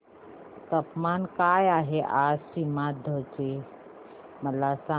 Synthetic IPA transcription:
t̪əpmankajaɦeʔasimad̪ʱət͡ʃe | məlasa

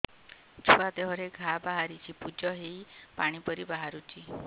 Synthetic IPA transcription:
t͡ʃʰuad̪eɦɔɾeɡʱabaɦaɾit͡ʃʰipud͡ʒɔɦeipaɽ̃ipɔɾibaɦaɾut͡ʃʰi

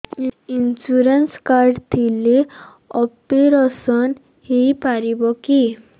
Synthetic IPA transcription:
insuɾenskaɾɖt̪ʰile | ɔpiɾɔsɔn | hipaɾibɔki

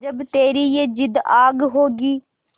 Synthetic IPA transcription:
d͡ʒəbt̪eːɾiːjeːd͡ʒɪd̪aːɡɦoːɡiː

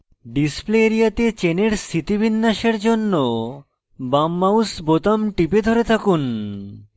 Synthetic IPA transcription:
ɖispleeɾijat̪et͡ɕeneɾst̪ʰit̪ibʱinːaʃeɾd͡ʑonːo | bamːausbot̪amʈiped̪ʱoɾet̪ʰakun

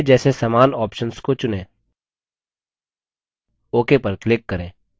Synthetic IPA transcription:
d͡ʒɛːsesamaːnɔːpʃənskot͡ʃʊnẽː | oːkepəɾklɪkːɐɾẽː

